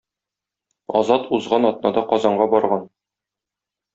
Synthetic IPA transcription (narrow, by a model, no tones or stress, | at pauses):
ɒzɑt̪uzʁɑnɒt̪nɑd̪ɑqɒzɑɴɢɑbɒɾʁɑn